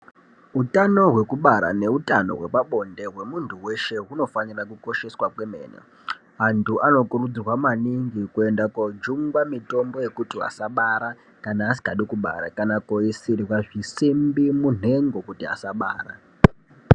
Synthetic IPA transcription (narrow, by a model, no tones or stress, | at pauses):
ɦutano̞ɦwe̞kuɓaɾa̰ne̞utano̞̰ɦwe̞paɓo̞nde̞ɦwe̞muntʰuwe̞ʃe̞ɦuno̞fanirakuko̞ʃe̞swakwe̞mḛːnḛ | antʰuʔano̞kurud͡zirwamaniŋɡikue̞ndakod͡ʒuŋɡwamito̞mbo̞je̞kutia̰saɓaɾa | kanaːsi̥kaɗikuɓa̰ɾa̰kanakoisiriwaʐisimbimun̤e̞ŋɡo̞kutia̰saɓaːra̰